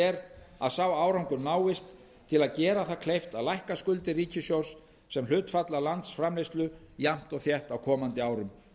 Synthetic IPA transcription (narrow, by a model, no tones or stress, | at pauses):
ɛɾaðsawaːwɾawŋkʏnaːwɪst̪ʰː | ɪlaðcɛːɾaθaðkʰlejft̪alajhkaskʏlt̪ɪriːcɪsjowsː | ɛml̥ʏːt̪fat̪lalant̪sfɾamlejst̪lʏjam̥t̪ɔɣθjɛht̪awkʰɔːmant̪ɪaːwɾʏm